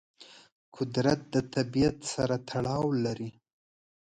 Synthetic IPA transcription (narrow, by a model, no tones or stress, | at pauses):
kʰʊd̪ɾat̪̚d̪ət̪abijat̪saɾat̪ʰaɽɑwlaɾi